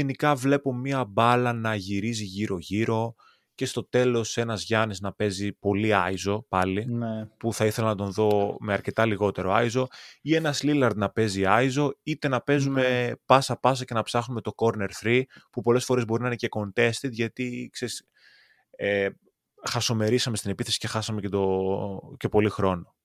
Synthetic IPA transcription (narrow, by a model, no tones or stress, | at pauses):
enikɐvle̞po̞mɲiɐbɐlɐnɐʝiɾiziʝiɾo̞ʝiɾo̞ | ce̞st̪o̞t̪e̞lo̞se̞nɐzʝɐniznɐpe̞zipo̞liɐizo̞pɐlinpuθɐiθe̞lɐnɐt̪o̞nðo̞meɐɾce̞t̪ɐliɣo̞t̪e̞ɾo̞ɐizo̞ie̞nɐslilɐɾd̪nɐpe̞ziɐizo̞it̪e̞nɐpe̞zume̞pɐsɐpɐs̬ɐce̞nɐpsɐxnume̞t̪o̞ko̞ɾne̞ɾθɾipupo̞le̞sfo̞ɾe̞zbo̞ɾinɐinece̞ko̞nt̪e̞st̪it̪ʝɐt̪ikse̞ɾis | e | xɐso̞me̞ɾisɐmet̪ine̞piθe̞si̥ce̞xɐsɐmecet̪oce̞po̞lixɾo̞no̞